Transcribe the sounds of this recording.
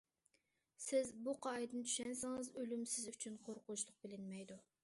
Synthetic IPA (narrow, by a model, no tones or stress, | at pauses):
sɪzbuqʰɑjd̪ɨnt͡ʃ̪ʰy̥ʃɛnsɪŋɨzølymsɪzyt͡ʃʰynqʰoɾqʊnʃlˠʊq̚bɪlɪnmɛjd̪u